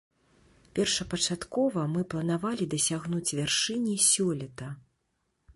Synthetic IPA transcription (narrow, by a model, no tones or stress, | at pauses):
pʲɛrʂɐpɐt͡ʂat̪kɔvɐmɨplˠɐnavalʲid̪ɐsʲaɣnut͡sʲvʲarʂɨnʲisʲɔlʲɐt̪ɐ